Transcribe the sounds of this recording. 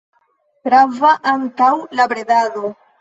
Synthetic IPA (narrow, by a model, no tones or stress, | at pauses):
tɾavaʔaŋtawlabɾedaðo